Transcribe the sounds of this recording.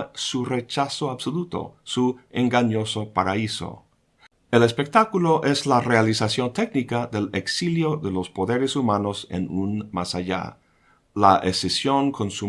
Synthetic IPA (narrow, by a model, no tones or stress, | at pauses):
sure̞t͡ʃasoabsolut̪o̰sueŋɡaɲoso̞paɾaiso̰ | elespek̚t̪akulo̞ʔeslarealisasjo̞nt̪eknikaðeleksiljoðelo̞spo̞ðeɾesumano̞sḛnunmasaʝa̰ | laʔesesjo̞nkʰo̞nsu